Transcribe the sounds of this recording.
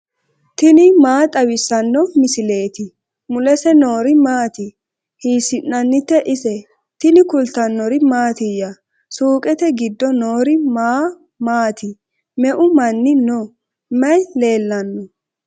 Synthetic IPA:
t̪ɪnɪmaːt̪ʼɐwɪsːɐnːɔmɪsɪle̞ːt̪ɪ | mʊlɛsɛnoːɾɪmaːt̪ɪ | hiːsɪnːɐnːɪt̪ːɛʔɪsɛ | t̪ɪnɪkʊlt̪ɐnːɔɾɪmaːt̪ɪjɐ | suːkʼɛt̪ɛɡɪd̪ːɔnoːɾɪmaː | maːt̪ɪ | mɛʔʊmɐnːɪnɔ | mɐjle̞ːlːɐnːɔ

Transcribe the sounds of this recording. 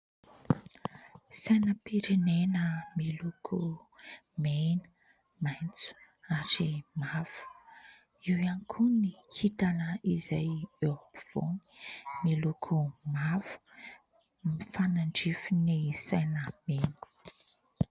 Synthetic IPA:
sajnəpiɾenenəmilukʰu | menə̥ | majnt͡su̥ | aɾimavu̥ | iwianikʰunihit̪anəizajeɾopiv̥o̰ni̥milukʰumavu̥ | mifanaɳɖ͡ʐifinisajnəmenə̥

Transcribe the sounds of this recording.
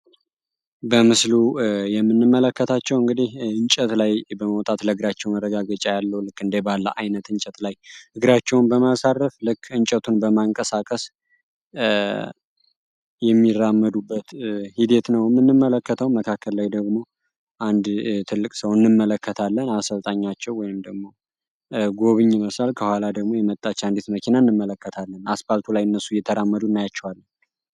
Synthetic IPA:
bəmɨslujɛmːɨnːɨmːələkːət̪ʰat͡ʃːɛwɨŋɡɨd̪ihɨnt͡ʃʼət̪lajbəməwt̪ʼat̪ləɨɡɾat͡ʃːɛwmərːəɡaɡət͡ʃʼajalːəwlɨkːɨnd̪ebalːəʔajnət̪ɨnt͡ʃʼət̪lajhɨɡɨɾat͡ʃːɛwnbəmasarːəflɨkʰːɨnt͡ʃʼət̪ʰunbəmaŋkʼəsakʼəs | jɛmːiramːəd̪ubːət̪hid̪e̞t̪nəwjɛmːɨnːɨmːələkːət̪ʰəwməkʰakːəllajd̪əɡmo̞ | ʔand̪t̪ʰɨlːɨkʼsəwɨnːɨmːələkːət̪ʰalːənasəlt̪ʼaɲːat͡ʃːɛwɔjɪmd̪əɡmo̞ | ɡo̞βɨɲːɪməsalkʰəhʷwalad̪əɡmo̞jɛmət̪ʼːat͡ʃːand̪it̪məkʰinaɨnːɨmːələkːət̪ʰalːənasbalt̪ʰulajɨnːəsːujɛt̪ʰəɾamːəd̪unːajat͡ʃːɛwalːən

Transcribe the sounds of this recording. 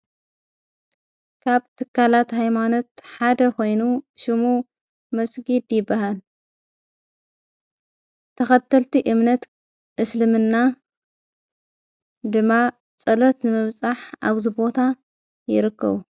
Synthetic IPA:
kʰaβt̪ʰɨkʰːalat̪ɦajmano̞t̪ħad̪ɐko̞jnuʃɪmu | mɐsɡid̪jɪbːahal | t̪ʰɐxɐt̪ʰːɐlt̪ʰiʔɨmnɐt̪ | ʔɨslɨmɨnːa | d̪ɨmːa | t͡sʼɐlɐt̪nɨmɨβt͡sʼaħʔa̰βzibo̞t̪ʰa | jɪ̰ɾɨkʰːɐ̰βu

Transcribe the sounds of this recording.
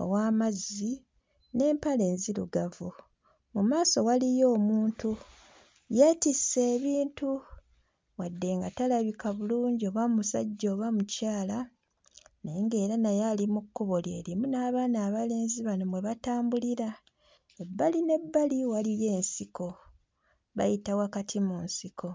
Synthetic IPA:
o̰waːmazi | ne̞ːmpale̞ːnzilṵɡavu | mumaːso̞walijo̞ːmuːntu | jatisːe̞ːβiːntu | βwadːe̞ŋɡatalaβikaβuluːɲɟio̞ːβaumusa̰ɟːoːβamucaːla | ne̞ːŋɡe̞ːɾanajalimukːuβole̞ːɾimunaːβanaːβale̞ːnziβano̞mwe̞βataːmbuliɾa | e̞bːaline̞bːaliwalije̞ːnsiko̞ | βa̰jitawakatʰimunsiko̞

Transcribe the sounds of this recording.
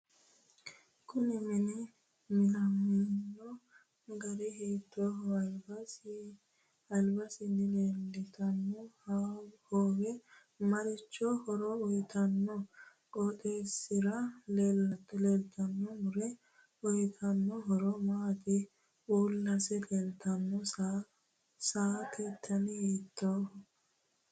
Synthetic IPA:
kʊnɪmɪnɪ | mɪnɐmɪnːɔ | ɡɐɾɛɦeːt̪ːɔɦbɐ | ɐlbɐsɪnːɪleːlːɛt̪ɐnːɔ | hoːwɛ | mɐɾɪt͡ʃːɔhɔɾɔɔjt̪ɐnːɔ | kʼɔt̪ʼeːsɪɾɐleːlːɐt̪ːɔleːlt̪ʰɐnːɔmʊɾɛ | ɔjt̪ʰɐnːɔɦɔɾɔmaːt̪ɪ | uːlːɐsɛlelt̪ɐnːɔ | saːk̪ʰet̪ʰːɐnɪheːt̪ʰːoːh

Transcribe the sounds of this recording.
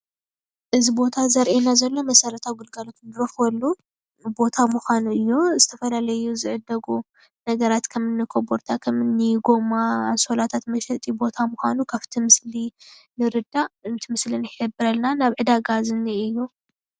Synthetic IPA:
ʔɨzibo̞t̪ʰazɐɾʔenazɐlːo̞mɐsɐɾɐt̪ʰawɡɨlɡalot̪nɨɾɐxwɐlːu | bo̞t̪ʰamuxʷanuɨjːo̞zɨt̪ʰɐfɐlalɐjuzɨʕɨd̪ːɐɡu | nɐɡɐɾat̪kʰɐmɨnːɨkʰoboɾt̪ʰakʰɐmɨnːiɡo̞maanso̞lat̪ʰat̪mɐʃɛt̪ʼibo̞t̪ʰamuxʷa̰nukʰaft̪ʰimɨslinɨɾɨd̪aɨnt̪ʰimɨslinɨħɨbɨɾɐlnanaβʕɨd̪aɡazɨniɨjːu

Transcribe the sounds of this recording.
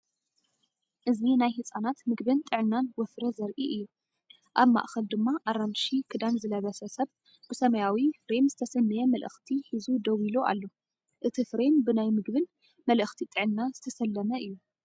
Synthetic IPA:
ʔɨzinajhɨt͡sʼanat̪mɨɡbɨnt̪ʼɨʕɨnːanwɔfɾɐzɐɾʔiʔɨjːu | ʔaβma̰ʔxɐld̪ɨmːaʔaɾamʃikʰɨd̪anzɨlɐβɐsɐsɐβ | bɨsɐmɐjawifɾe̞mzɨt̪ʰɐsɐmːɨjɛmɐlʔɨ̰xt̪ʰihizud̪ɐwiloʔa̰lːo̞ | ʔɨt̪ʰifɾe̞mbɨnajmɨɡβɨn | mɐlʔɨxt̪ʰit̪ʼɨʕɨnːazɨt̪ʰɐsɐlːɐmɐɨjːu

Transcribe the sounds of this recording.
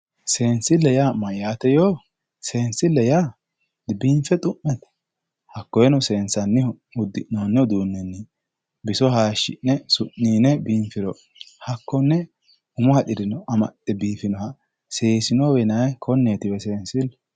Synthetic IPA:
se̞ːnsɪlːɛjamɐjaːt̪ɛjoː | se̞ːnsɪlːɛjaː | biːɱfɛt̪ʼʊmːɛt̪ɛ̥ | hɐkːɔjɛnɔse̞ːnsɐnːɪɔ | ʊd̪ːɪnonːɪɔd̪uːnːɛnːɪ | bɪsɔɦaːʃːɪ̰nːɛsʊʔːiːnɛbiːɱfɪɾɔ | hɐkːɔnːɛ | ʊmʊhɐᶑ̪ɪd̪ɪnɔʔɐmɐ̰tʼːɛbiːfɪnɔhɐ | se̞ːsɪnoːwɛnɐjkʰɔnːeːt̪ɪbɛse̞ːnsɪl

